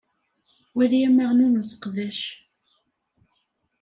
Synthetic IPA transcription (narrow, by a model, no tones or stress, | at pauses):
wælijæməʁnunusə̥qðæʃ